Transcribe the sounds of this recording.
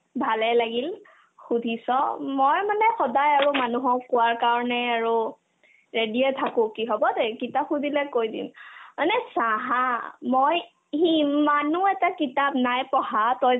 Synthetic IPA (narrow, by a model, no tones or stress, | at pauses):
bʱalɛlaɡil | xudʱisɔmojmanɛxɔdajaɹumanuɦɔkʊwaɹkaɹɔnɛaɹu | ɹediɛtʰakʊ̃kiɦɔbɔdekitapxudʱilɛkojdḭmanɛsaɦamoj | imanuɛtakitap̚najpɔɦatɔj